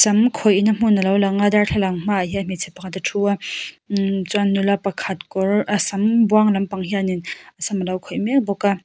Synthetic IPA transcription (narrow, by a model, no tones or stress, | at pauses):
sɐmkʰojinɐm̥unɐlawlaŋadaɾɬʰalaŋm̥ajamit͡sʰepaŋatatʰua | t͡sanːulapakʰat̚kɔɾɐsɐmbwaŋlɐmpaŋɦijaninɐsɐmɐlawkʰojmebɔka